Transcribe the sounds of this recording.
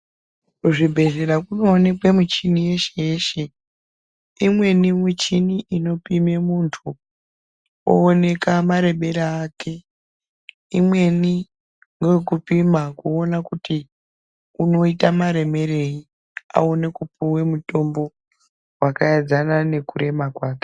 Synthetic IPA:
uʐibʱe̞ze̞ɾakuno̞ːne̞kwemut͡ʃinije̞ʃeje̞ʃe̞ | imwe̞nimut͡ʃiniʔino̞pime̞muntʰu | o̰ːne̞kamaɾe̞ɓe̞ɾaːke̞ | imwe̞ni | ŋɡekupimakuo̞nakuti | uno̞itamaɾe̞me̞ɾe̞i | a̰onekupuwe̞muto̞mbo̞ | wakaed͡zanane̞kuɾe̞makwaːke̥

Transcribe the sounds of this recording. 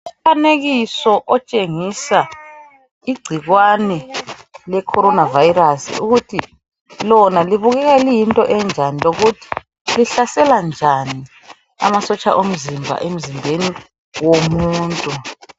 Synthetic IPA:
ufaneɣisɔʔɔt͡ʃʼeŋisa | iɡ͡ǀʱiɣwanɛlɛkʰɔɾɔnavajɾasḭṵɣutʰi | lɔnaliβuɣɛɣɛlijintʼɔʔɛnd͡ʒʱaniloɣutʰi̥ | liɬasɛland͡ʒʱani | a̰masɔt͡ʃʼa̰ʔom̩zimbʱa̰ʔem̩zimbʱeni | womuːntʼu

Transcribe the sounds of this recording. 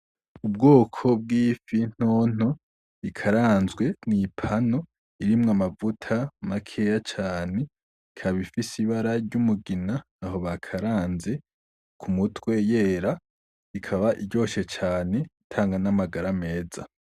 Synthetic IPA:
ubɡoːkʰo̞b̚ɡiːfin̥oːn̥o̞ | ikʰaɾaːnzɡwe̞nipʰano̞ | iɾimŋamavutʰamakʰejat͡ʃaːne̞ | kʰaβifisiβaɾaɾɟumuɡinaː | ho̞βakʰaɾaːnze̞ | kʰumutwe̞je̞ːɾa | ikʰaβaʔiɟo̞ːʃe̞t͡ʃaːne̞tʰaːŋɡanamaɡaɾame̞ːza̰

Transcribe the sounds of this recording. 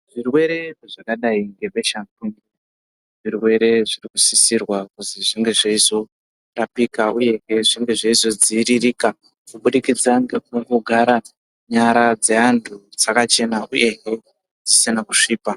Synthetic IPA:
ʐ̥irwe̞ɾe̞ʐakaɗaiŋɡe̞be̞ʃantuŋɡi | ʐ̥irwe̞ɾe̞ʐirikusisirwakuziʐiŋɡe̞ʐeizo̞ | rapikauje̞ɦeʐiŋɡe̞ʐeizo̞d͡ziːɾirika | kuɓuɗikid͡zaŋɡe̞kuŋɡoɡʱaɾa | ɲaɾad͡ze̞andʰʱud͡zakat͡ʃe̞naʔuje̞ɦe | d͡zisinakuʂiːpa

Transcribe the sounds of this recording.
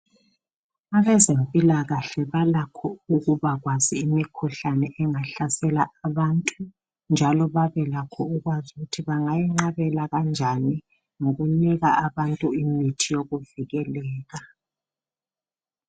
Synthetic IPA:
aβɛzempʼilaɣaɬɛβalakʰɔuɣuβaɣwaziːmikʰuɬanɛʔɛŋaɬasɛlaʔaβantʼu | nd͡ʒʱalɔβaβɛlakʰɔuɣwazuɣutʰiβaŋajiŋ͡ǁaβɛlaɣand͡ʒʱani | ŋoɣuniɣaaβantʼuimitʰijoɣuviɣɛlɛːɣa

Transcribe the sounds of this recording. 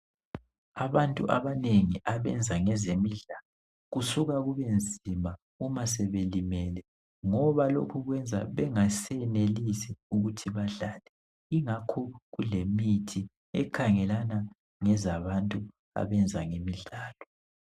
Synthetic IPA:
aβantʼṵʔaβaneŋiʔaβɛ̰nd͡zʱaŋɛzemiɮalɔ | ɣusuɣaɣuβend͡zʱima | umas̬ɛβelimɛlɛ | ŋɔβalo̰kʰuɣwɛnd͡zʱa̰βɛŋasɛnelisɛuɣutʰiβaɮalɛ | iŋakʰɔɣulemitʰi | ɛkʰaŋɛlana | ŋɛzaβantʼu | a̰βɛnd͡zʱa̰ŋemiɮaːlɔ

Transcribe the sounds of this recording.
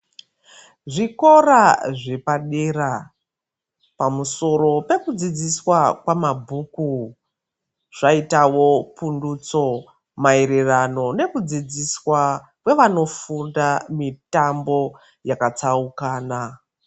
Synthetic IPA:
ʐiko̞ɾaʐe̞paɗera | pamuso̞ro̞pe̞kud͡zid͡ziswakwamabʱuːku | ʐ̥aitawo̞pundut͡so̞ | maeɾerano̞ne̞kud͡zid͡ziswa | kwe̞ʋano̞fundamitambo̞ | jakat͡saukaːna

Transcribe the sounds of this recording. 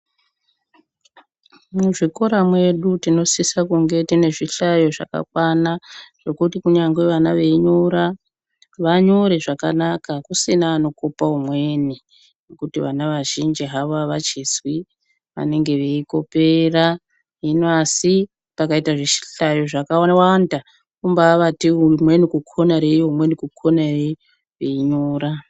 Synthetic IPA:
muʐiko̞ɾamwe̞ɗutino̞sisakuŋɡe̞tine̞ʐiɬajo̞ʐa̰ka̰kwanaʐ̥o̞kutikuɲaŋɡwe̞ʋanaʋe̞iɲoɾa | ʋaɲo̞ɾe̞ʐaka̰nakakusinaːno̞kopaumwe̞ni | nekutiʋa̰naʋaʒind͡ʒiɦaʋaʋat͡ʃeswi | ʋa̰ne̞ŋɡe̞ʋe̞iko̞pera | ɦinasi | pakaitaʐeʃi̥ɬajoʐakawonawanda | kumbaːʋatiumwe̞nikukʰonaɾejoɦumwe̞nikukʰonare | ʋeiɲoːɾa

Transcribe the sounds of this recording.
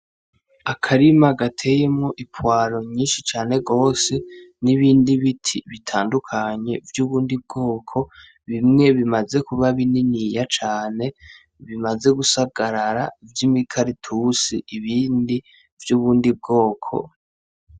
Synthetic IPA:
akʰaɾimaɡatʰe̞jemŋo̞ʔipwaːɾo̞ɲiːnʃit͡ʃaːne̞ɡo̞ːse̞niβiːndiβitʰiβitʰaːndukʰaɲe̞vjuːβuːndib̚ɡo̞ːkʰo̞ | βimŋe̞βimaze̞kuβaβininijat͡ʃaːne̞ | βimaze̞ɡusaɡ̥aɾaɾavjimikʰaɾitʰusiiβiːndi | vjuːβuːndib̚ɡo̞ːkʰo̞̰

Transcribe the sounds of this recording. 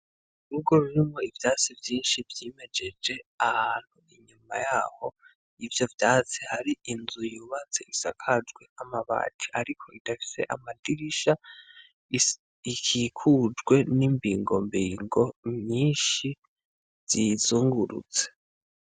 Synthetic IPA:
uɾuɡo̞ɾuɾimŋo̞ivjaːt͡sivjiːnʃivjiːme̞d͡ʒe̞d͡ʒe̞ahaːn̥huiɲumajaːho̞ | ivjo̞vjaːt͡sehaɾiʔinzujuːβat͡seisakʰad͡ʒɡwe̞amaβa̰ːtʰi̥aɾikʰo̞idafi̥se̞̰ʔa̰madiɾiʃa | ikʰikʰud͡ʒɡwe̞nimbiːŋɡo̞̰mbiːŋɡo̞mɲiːnʃi | z̥izuːŋɡuɾṵt͡se̥

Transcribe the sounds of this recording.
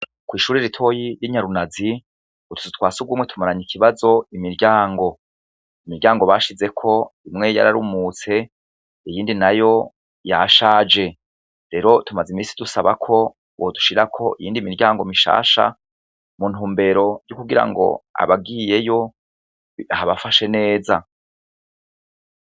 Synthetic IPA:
kwiːʃuːɾiɾitʰo̞jiɾjiɲaɾunazi | utʰu̥zutwaːsuɡwuːmŋe̞tʰumaɾaɲikʰiβazo̞imiɾɟaːŋɡo̞ | imiɾɟaːŋɡo̞βaʃize̞kʰo̞imŋe̞ja̰ɾaɾumut͡se̞ | ijiːndinajo̞ | jaʃaːd͡ʒe̞ | ɾe̞ɾo̞tumazimiːsidusaβakʰo̞ | wodu̥ʃiɾakʰo̞ʔijiːndimiɾɟaːŋɡo̞miʃa̰ːʃa̰ | mun̥huːmbe̞ɾo̞jukuɡiɾa̰ŋɡo̞̰a̰βaɡiːje̞jo̞ | ahaβafaʃe̞ne̞ːza

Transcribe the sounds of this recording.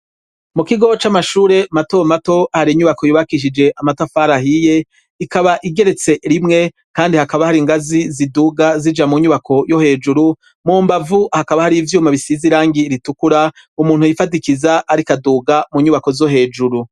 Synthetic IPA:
mukiɡo̞t͡ʃamaʃuːɾe̞mato̞mato̞ahaɾiɲuβakojuβakiʃ̬id͡ʒe̞ʔamatafaːɾahije̞ | ikaβaʔiɡe̞ɾe̞t͡se̞ɾimŋe̞ | kaːndihakaβahaɾiŋɡaziziduːɡazid͡ʒamuɲuβakʰo̞jo̞he̞ːd͡ʒuɾu | muːmbavuhakaβahaɾivjuːmaβisiziɾaːŋɡiɾitukuɾa | umuːnhujifadikizaʔaɾikaduːɡamuɲuβako̞zo̞ɦe̞ːd͡ʒuɾu

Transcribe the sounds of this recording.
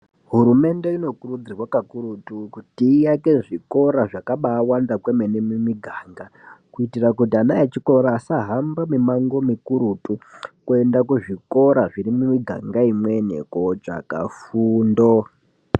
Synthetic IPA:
ɦuɾume̞nde̞ino̞kurud͡zirwakakuɾutukutiːjakeʐiko̞ɾaʐakaɓaːwandakwemenemumiɡʱaːŋɡakuitirakutianajet͡ʃiko̞ɾaːsaɦambamimaŋɡo̞mikuɾutukue̞ndakuʐiko̞ɾaʐiɾimumiɡʱa̰ŋɡaimwenḛkot͡ʂa̰ka̰fuːndo

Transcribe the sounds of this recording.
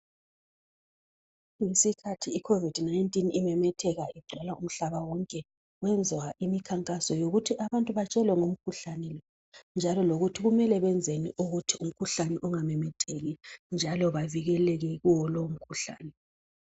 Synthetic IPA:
ŋisikʰatʰiːkʰovid̥najntʼinimɛmɛtʰɛɣaiɡ͡ǀʱɔlaum̩ɬaβawɔŋkʼɛ | ɣwɛnd͡zʱwaʔimikʰaŋkʼasɔjoɣutʰiʔaβantʼuβat͡ʃʼɛlwɛŋom̩kʰuɬanɛlɔ | nd͡ʒʱalɔloɣutʰiɣumɛlɛβɛnd͡zʱenḭʔuɣutʰium̩kʰuɬanɛʔɔŋamɛmɛtʰeɣind͡ʒʱalɔβaviɣɛlɛɣɛɣuwɔlom̩kʰuɬa̰ːnɛ

